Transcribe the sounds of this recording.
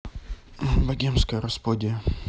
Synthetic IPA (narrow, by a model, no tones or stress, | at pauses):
vɐɡʲemskəjəɾɐspod̪ʲɪjə